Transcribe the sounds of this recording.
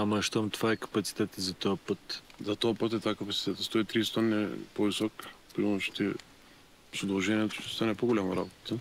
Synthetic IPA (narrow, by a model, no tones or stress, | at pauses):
amɐʃt̪amt̪ovaɛkɐ̥pɐt̪si̥t̪ɛt̪izɐt̪ɔɐpət̪zɐt̪ɔapət̪ɛt̪vakɐpɐt̪si̥t̪ɛt̪st̪ɔit̪ɾist̪ɔnɛ̰pɔvisɔkpimoʃi̥t̪ɛ | sod̪ɐlˠʒɛniɛt̪oʃt̪ost̪anɛpoɡolʲamɐɾa̰bot̪t̪ə